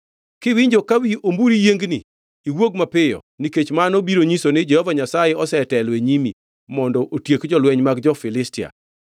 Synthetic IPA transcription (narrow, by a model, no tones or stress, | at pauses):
kɪwɪɲd͡ʒokawiʔombuɾijeŋɡnḭ | iwoɡmapɪjɔ̰ | niket͡ʃmanobiɾoɲisonɪd͡ʒɛhɔvaɲasajeɔsɛtɛlweɲimi | mɔndɔʔotjekd͡ʒɔlwɛɲmaɡd͡ʒɔfɪlɪstɪa̰